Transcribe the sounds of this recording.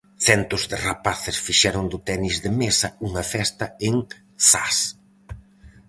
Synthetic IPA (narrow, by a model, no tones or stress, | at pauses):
θɛnt̪ʊzðɪrapaθɪsfiʃɛɾʊnd̪ʊt̪ɛnizðɪmesɐuŋɐfɛst̪ɐeŋ | sas